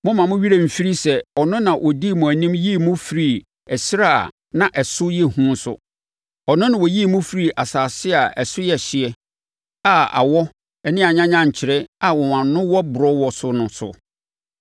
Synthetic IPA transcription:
mʊ̃˦mã˨mʊ̃˦ɥi˦ɾe˦˨m̩˨fi˦ɾi˦sɛ˨ɔ˨nʊ̃˦nã˨wʔɔ˨di˦˨mʊ̃˨æ˨nĩ˦mji˦˨mʊ̃˦fi˨ɾi˨ | ɛ˨sɾa̰˦˨ | nã˨ʔɛ˨sʊ˦jɛ˦˨hũ˦sʊ̰˨ | ɔ˨nʊ̃˦nʊ̃˨wɔ˨ji˦˨mʊ̃˦fi˦ɾi˨ʔa˨saː˨sɪ˦a˨ʔɛ˨sʊ˦jɛ˨ɕɪ˨ɛ˦ | a˦˨a̰˨wɔ˦ | ɛ˨nɪ̃˦a˨ɲã˦ɲã˦ɲ̩˨t͡ɕʰɪ˨ɾɛ˦a˨wɔ˨wã˨nnːʊ̃˦wɔ˦bʊ˨ɾɔ˦wɔ˨sʊ˦nʊ̃˨sʊ̰˨

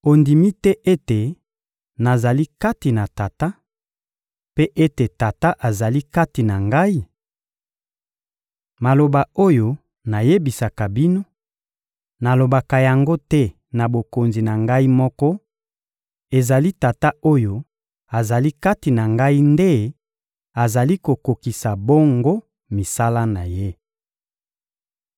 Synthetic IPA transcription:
o˨ndi˨mi˦tɛ˦ʔe˦te˨ | na˨za˨li˦ka˦ti˨na˨ta˨ta˦ | pe˦ʔe˦te˨ta˨ta˦ʔa˨za˨li˦ka˦ti˨na˨ŋɡa˦i˦ | ma˨lo˨ba˨o˦jo˦ | na˨je˦bi˨sa˨ka˨bi˦no˦ | na˨lo˨ba˨ka˨ja˨ŋɡo˦tɛ˦ | na˨bo˨ko˨nzi˨na˨ŋɡa˦i˦mɔ˦kɔ˦ | e˨za˨li˦ta˨ta˦o˦jo˦ | a˨za˨li˦ka˦ti˨na˨ŋɡa˦i˦nde˦ | a˨za˨li˦ko˨ko˨ki˨sa˨bo˦ŋɡo˦ | mi˨sa˦la˦na˨je˦

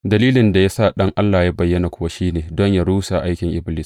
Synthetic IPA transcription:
dɐ˨liː˦lɪ˨nda˨ja˦sa˦˨ɗɐ˦ŋʔa˦lːaː˨ja˦bɐ˨jːɐ˦na˨kʷʊ˦wa˦ʃiː˦neː˨dɔ˦ɲja˦ɽuː˦sa˨ʔa˦jkʲɪ˨ŋʔɪ˦blɪː˦s

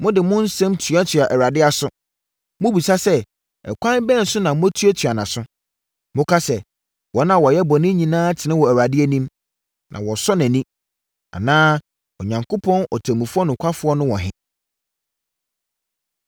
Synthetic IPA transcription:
mʊ̃˦dɪ˨mʊ̃˦n̩˦sɛ̃˦mtʰɥa˦tʰɥa˨ʔɛ˨ɾa˨dɪ˦a˨sʊ˦ | mʊ̃˦bi˨sa˦sɛ˦ | ɛ̰˨kʷʰã˦n˦bɛ̃˦˨n̩˨sʊ˦nã˨mʊ̃˦æ˦tʰu˦ɛ˦tʰɥa˨nã˨sʊ̃˦ | mʊ̃˦kʰa˦sɛ˨ | wɔ˨˦nã˦˨wɔ˨jɛ˦bɔ˨nɪ̃˦ɲĩ˨nãː˦tʰɪ˨nɪ̃˦wɔ˨æ˨ɾa˨dɪ˦æ˦nĩ˦m | nʔã̰˨wɔ˨sɔ˦næ̃˨nĩ˦ | a̰˨nãː˦ | ɔ˨ɲã˨ŋkʰo˦pʰɔ̃˦nʔɔ̰˨tʰæ̃˨mũ˨fʊ˦ɔ˦nʊ̃˨kʷʰa˦fʊ˦ɔ˦nʊ̃˦wɔ˨ɦɪ̰̃˦

